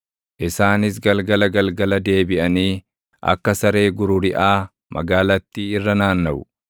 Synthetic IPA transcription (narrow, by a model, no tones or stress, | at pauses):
ʔɪsaːnɪs̬ɡɐlɡɐlɐɡɐlɡɐlɐd̪e̞ːbɪʔɐniː | ʔɐ̰kːɐsɐɾe̞ːɡʊɾʊɾɪʔaː | mʔɐ̰ɡaːlɐt̪ːiːɪrːɐnaːnːɐʔʊ